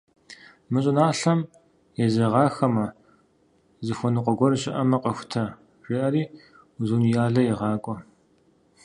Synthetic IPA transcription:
mɨɕʼɪnaːɬɐm | jɛzɐʁɑːxɐmɐ | zɨxʷɔnɨqʷɔɡʷɔrɕʼɪʔɐmɐqəxʷʊ̥tʰɐ | ʒ̥ʼɪʔɐɾiː | zunjaːɮɐjɛʁɑːkʷʼɔ

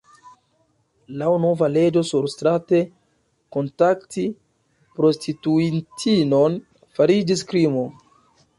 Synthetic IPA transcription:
lawno̞vale̞d͡ʒo̞suɾstɾate̞ | ko̞ntakti | pɾo̞stʰituintʰino̞n | faɾid͡ʒiskɾimo

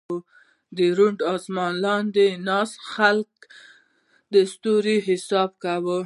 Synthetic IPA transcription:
d̪əɾuɳɖɑsmɑnlɑnd̪enɑsxalk̚ | d̪əst̪uɾiɦɪsɑbkawə

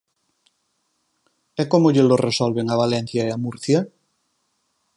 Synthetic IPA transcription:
ɛkomoʎelorʔesɔlβeŋaβalɛn̟θjaeamuɾθjɐ

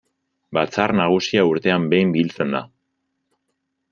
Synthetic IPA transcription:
bat͡sarnaɣ̞usiauɾt̪e̞ambe̞jmbilt͡se̞nd̪a̰

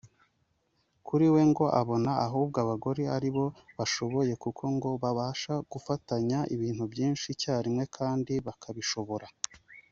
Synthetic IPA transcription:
kʰuɾiwe̞ŋɡo̞ʔaβo̞naːɦuːb̚ɡaβaɡo̞ɾeaɾiβo̞βaʃo̞βo̞je̞kukʰo̞ŋɡo̞βaβaːʃaɡ̥ufataɲaʔiβiːn̥hubɟiːnʃicaːɾimŋe̞kʰaːndiβakʰaβiʃo̞βo̞ɾa

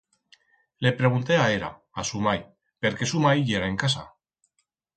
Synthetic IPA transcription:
le̞pɾe̞ɣ̞unt̪e̞aeɾa̰ | asumaj | pe̞ɾke̞sumajiʝeɾaeŋkasa̰

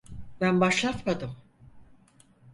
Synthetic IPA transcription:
bænbaʃlˠat̪mad̪ɯm

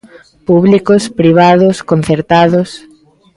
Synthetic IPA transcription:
puβlikospɾiβ̞aðʊskon̟θeɾt̪aðʊs

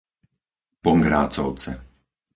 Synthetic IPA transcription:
pɔŋɡɾa̰ːt͡sɔʊt͡sɛ

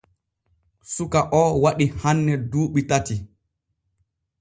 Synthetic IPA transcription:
sukaʔɔwaɗihanːɛduːɓitati

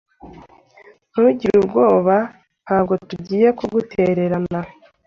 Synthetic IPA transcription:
n̥uɟiɾubɡo̞ːβa | n̥haːbɡo̞tuɟiːje̞kuɡutʰe̞ɾe̞ɾana

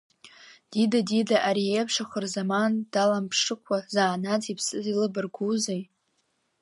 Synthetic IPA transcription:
d̥idadidaʔaɾiepʰʂaχʷʊrzamand̥alampʰʂɨkʷʰazaːnad͡zipʰsɨzilɨbɨrɡʷuzej

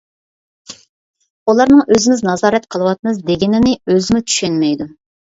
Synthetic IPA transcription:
ulˠɑɾnɨŋøzɪmɪznɑzɑːɾɛt̪qʰəlˠəwɑt̪̚mɨzd̪eɡʲɪnɪnɪøzɪmɪt̪ʰy̥ʃenmɛjd̪u

